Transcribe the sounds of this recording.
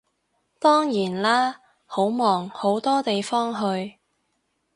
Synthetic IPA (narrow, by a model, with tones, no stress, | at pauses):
t̪ɔː˥ŋjiː˨˩nlaː˥ | ho˨˥wmɔː˨˩ŋho˨˥wt̪ɔː˥t̪e˨jfɔː˥ŋɦɵ˧ɥ